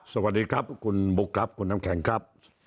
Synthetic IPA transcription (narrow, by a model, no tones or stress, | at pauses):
sabadikap̚kunbukːap̚kunːamkɛŋkap̚